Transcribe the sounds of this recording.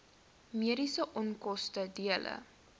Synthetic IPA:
miəɾisəʔɔnkɔstədiələ̰

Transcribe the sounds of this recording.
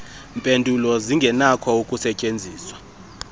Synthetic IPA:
mpʼendʱulɔziŋɡʱɛnakʰɔukʼusɛcʼend͡zʱiːswḁ

